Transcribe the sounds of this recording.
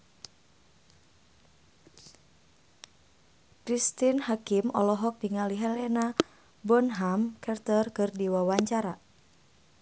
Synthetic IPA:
kɾist̪inhakimɔlɔɦɔk̚biŋaliɦɛlɛna | bɔnɦamkʰɛrt̪ərkɨrdiwawaɲt͡ʃaɾa

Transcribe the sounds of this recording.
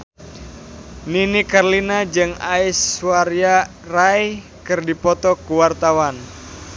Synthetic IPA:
ninikarlinad͡ʒɨŋaiswaɾia | raj | kɨrdipɔt̪ɔkuwart̪awan

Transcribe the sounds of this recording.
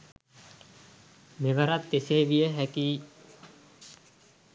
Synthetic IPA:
meʋəɾat̪ːeseːʋijəɦækiː

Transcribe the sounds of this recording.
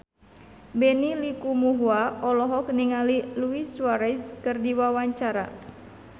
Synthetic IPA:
bɛnilikumuɦuaɔlɔɦɔk̚niŋaliluiswaɾɛskɨrdiwawaɲt͡ʃaɾa̰

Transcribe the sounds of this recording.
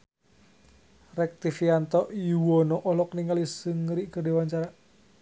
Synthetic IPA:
rɛk̚t̪ifiant̪ɔʔjuwɔnɔʔɔlɔk̚niŋalisəŋɾiʔkərdewaɲt͡ʃaɾa

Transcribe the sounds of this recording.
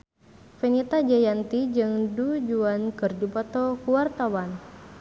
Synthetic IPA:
fɛnit̪ad͡ʒajant̪id͡ʒɨŋdud͡ʒuankɨrd͡ʒupɔt̪ɔkuwart̪awan

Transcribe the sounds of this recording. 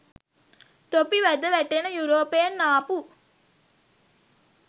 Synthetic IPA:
t̪opiʋæd̪əʋæʈenəjuɾoːpejenːaːpu

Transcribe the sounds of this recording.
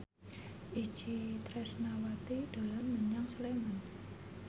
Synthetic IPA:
ʔi̥t͡ʃit̪ɾɛsnawat̪id̪̥o̤lanməɲaŋsleman

